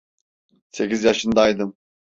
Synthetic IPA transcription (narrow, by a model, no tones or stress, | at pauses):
se̞cizjaʃɯnd̪ɑːjd̪ɯm